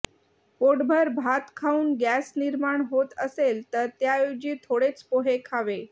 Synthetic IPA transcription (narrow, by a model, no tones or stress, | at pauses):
poʈbʱəɾbʱat̪kʰauːnɡæsniɾmaɳɦot̪əselt̪əɾt̪jajod͡ʑiːt̪ʰoɽet͡spoɦekʰaʋe